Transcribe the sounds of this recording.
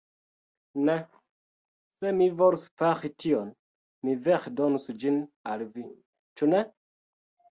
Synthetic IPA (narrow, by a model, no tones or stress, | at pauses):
ne | se̞mivoɾusfaxition | mivexdonusd͡ʒinalvi | t͡ʃune